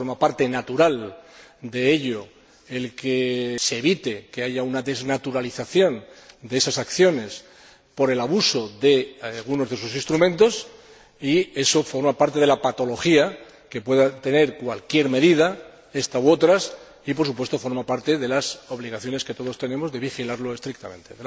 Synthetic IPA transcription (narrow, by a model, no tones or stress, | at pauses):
oɾmapaɾt̪e̞nat̪uɾal | d̪e̞eʎo̞ | elkeseːβ̞it̪e̞ke̞aʝaunaðe̞znat̪uɾaliθaθjõ̞nd̪ee̞sasakθjo̞ne̞s | po̞ɾe̞laβuso̞ðe̞lɣuno̞zðes̬usinst̪ɾumẽ̞nt̪o̞s | ie̞so̞fo̞ɾmapaɾt̪e̞ð̞elapat̪o̞lo̞xia | ke̞pwe̞ðat̪e̞ne̞ɾkwalkje̞ɾme̞ðið̞a | e̞st̪aoo̞t̪ɾas | ip̬o̞ɾsup̬we̞st̪o̞fo̞ɾmapaɾt̪e̞ðe̞laso̞βliɣ̞aθjo̞ne̞ske̞t̪o̞ð̞o̞st̪e̞ne̞mo̞zðe̞βixilaɾlo̞e̞st̪ɾik̚t̪amẽ̞nt̪e̞ðe